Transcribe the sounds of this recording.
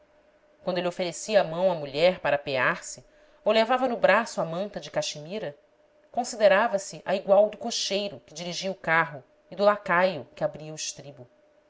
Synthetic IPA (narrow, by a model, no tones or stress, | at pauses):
kwɐ̃nd̪elʲiofeɾesiɐːmɐ̃w̃ɐmuʎɛɾpaɾɐpeaɾsɪ | owlevavɐnʊbɾasʊamɐ̃nt̪ɐd͡ʒɪkaʃimiɾɐ | kõsid̪eɾavɐsɪʔɐiɡwawd̪ʊkoʃejɾʊkɪd͡ʒiɾiʒiɐʊkaɦʊ | ɪd̪ʊlakajʊkɪabɾiɐʊʃt̪ɾibʊ